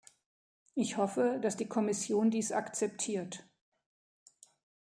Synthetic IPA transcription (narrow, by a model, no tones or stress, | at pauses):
ʔɪçhɔfədasd̥iːkʰɔmɪsjoːndiːsa̰kt͡sɛptʰiːɐt